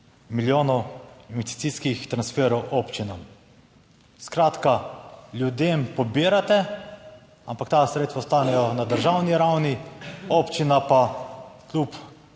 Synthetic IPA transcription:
miljoːnɔinvɛst̪i̥t̪siskixt̪ɾansfɛːɾɔwʔoːpt͡ʃinam | skɾaːt̪kaljud̪eːmpɔbiːɾat̪ɛ | ampakt̪asɾeːt̪sʋaʊst̪aːnɛjɔnad̪əɾʒawniɾawnioːpt͡ʃinapaklup

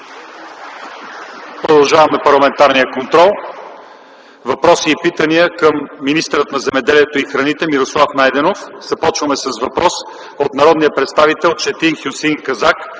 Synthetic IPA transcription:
pɾod̪ɐlˠʒavɐmɛpɐɾlˠɐmɛnt̪aɾnijəkont̪ɾɔlˠ | vɐpɾɔsiːpit̪əniəkəmːinist̪əɾət̪nɐzɛmɛd̪ɛliɛt̪oixɾɐnit̪ɛmiɾoslˠafnajd̪ɛnofzɐpɔt͡ʃvɐmɛsəsvɐpɾɔs | ot̪nɐɾɔd̪nijəpɾɛt̪st̪avit̪ɛlˠt͡ʃɛt̪inxjusinkɐzak

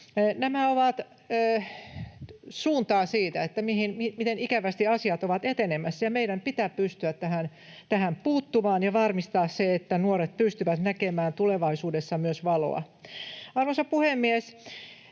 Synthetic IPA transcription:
næmæoʋɑt̪ː | suːnt̪ɑːsiːt̪æet̪ːæmihinmimit̪enikæʋæst̪iɑsiɑt̪oʋɑt̪et̪enemæsːjɑmeidæmpit̪æppyst̪yæt̪t̪æhæn | t̪æhæmpuːt̪ːumɑːnjɑʋɑrmist̪ɑːsseet̪ːænuoɾet̪̚pyst̪yʋæt̪nækemæːnt̪uleʋɑisuːdesːɑmyøsʋɑlo̰ɑ̰ | ɑrʋonsɑpuhemːies

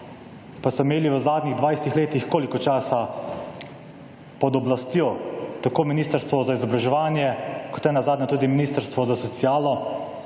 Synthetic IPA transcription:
pasɔimeːliʋəzaːd̪niɣd̪ʋajst̪ixleːt̪ixkoːlikɔt͡ʃaːsa | pɔd̪ɔblast̪joːt̪akoːminiːst̪əɾst̪ʋɔzaizɔbɾaʒɛʋaːnjɛkɔ̥t̪nɛnazaːd̪nɔt̪uːd̪iminiːst̪əɾst̪ʋɔzasɔt̪siaːlɔ

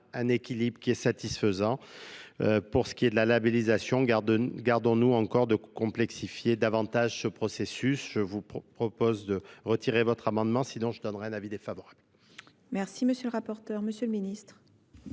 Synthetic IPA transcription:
ɛ̃nekʲilibʁəkʲiɛsat̪isfəzɑ̃ | øpuʁsə̥kʲied̪əlalabelizasjɔ̃d̪ɡaʁd̪ɔ̃nuɑ̃kɔʁd̪əkɔ̃plɛksifjed̪avɑ̃t̪aʒsəpχɔsesysʒ̥əvupχɔpozd̪əʁət̪iʁevɔt̪χamɑ̃d̪mɑ̃sinɔ̃ʒəd̪ɔnʁɛɛ̃navid̪efavɔʁab̥l | mɛʁsiməsjøləʁapɔʁt̪œʁməsjøləminist̪χ

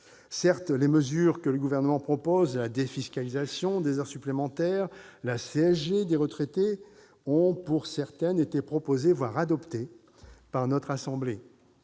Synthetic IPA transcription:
sɛʁt̪leməzyʁkələɡuvɛʁnəmɑ̃pχɔpozlad̪efiskʲalizasjɔ̃d̪ezœʁsyplemɑ̃t̪ɛʁlaseɛʒed̪eʁət̪χet̪e | ɔ̃puʁsɛʁt̪ɛnet̪epχɔpozevwaʁad̪ɔpt̪e | paʁnɔt̪χasɑ̃ble

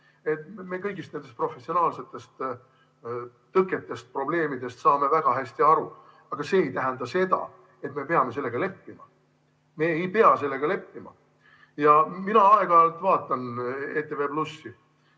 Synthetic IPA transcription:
e̞t̪me̞kɤjɡist̪ne̞nd̪est̪pro̞fe̞sio̞nɑːlse̞t̪ːˑe̞st̪ | t̪ɤkːˑe̞t̪ːˑe̞st̪̚pro̞ble̞ːmid̪e̞st̪sɑːme̞væɡ̥ɑɦæɕʲt̪iɑɾu | ɑɡ̥ɑse̞ːjt̪æɦænd̪̥ɑse̞d̪̥ɑ̰ | e̞t̪me̞pe̞ɑme̞s̬e̞lːe̞ɡɑle̞pːimɑ | me̞ːjpeɑse̞lːe̞ɡ̥ɑle̞pːimɑ̰ | jɑminɑɑe̞ɡ̥ɑlt̪vɑːt̪ːˑɑneːt̪ːˑe̞ve̞plusːi

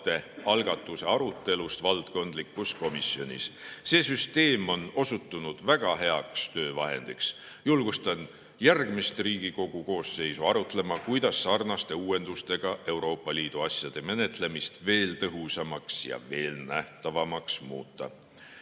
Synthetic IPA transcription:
t̪e̞ɑlɡ̥ɑt̪ːˑuse̞ɑɾut̪ːe̞lust̪vɑlt̪ko̞nd̪̥likːˑusko̞misjo̞nʲḭsse̞ːsyst̪e̞ːmo̞no̞sut̪ːunud̪̥væɡ̥ɑɦe̞ɑkst̪ø̞ːvɑɦe̞̰nd̪̥iks | julɡ̥ust̪ɑn | jærɡ̥mist̪riːɡ̥iko̞ɡ̥uko̞ːsːe̞jsuɑɾut̪ˑle̞mɑkujd̪̥ɑsːɑrnɑst̪e̞uːe̞nd̪̥ust̪e̞ɡ̥ɑe̞uwɾo̞ːpːˑɑliːd̪̥uɑsʲjɑd̪̥e̞me̞ne̞t̪ˑle̞mist̪ve̞ːlt̪ɤɦusɑmɑksjɑ̰ve̞ːlnæht̪ɑvɑmɑksmṵːt̪ːɑ̰

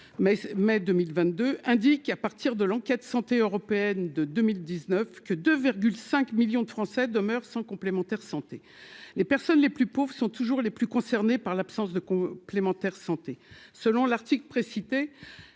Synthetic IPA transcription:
mɛmɛd̪ømilvɛ̃t̪̚d̪øɛ̃d̪ikapaʁt̪iʁd̪əlɑ̃kʲɛt̪sɑ̃t̪eøʁɔpeɛnd̪əd̪ømild̪iznœfkəd̪øviʁɡʲylsɛ̃kmiljɔ̃d̪əfχɑ̃sɛd̪əmœʁsɑ̃kɔ̃plemɑ̃t̪ɛʁsɑ̃t̪e | lepɛʁsɔnleplypovʁsɔ̃t̪uʒuʁleplykɔ̃sɛʁnepaʁlapsɑ̃sd̪əkɔ̃plemɑ̃t̪ɛʁsɑ̃t̪esəlɔ̃laʁt̪iklpχesit̪e

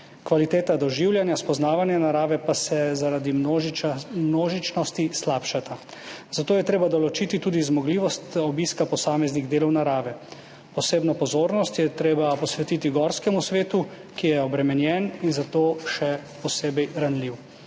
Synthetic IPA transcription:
kʋalit̪eːt̪ad̪ɔʒiwljanjaspɔznaːʋanjanaɾaːʋɛpasɛzaɾad̪i | mnoːʒit͡ʃnɔst̪islaːpʃat̪ʰazat̪oːjɛt̪ɾeːbad̪ɔlɔt͡ʃiːt̪it̪uːd̪izmɔɡliːʋɔst̪ɔbiːskapɔsaːmɛzniɣd̪eːlɔwnaɾaːʋɛ | pɔseːbnɔpɔzoːɾnɔst̪jɛt̪ɾeːbapɔsʋɛt̪iːt̪iɡɔːɾskɛmusʋeːt̪u | kijɛɔbɾɛmɛnjɛninzat̪oːʃɛpɔseːbɛjɾanliw

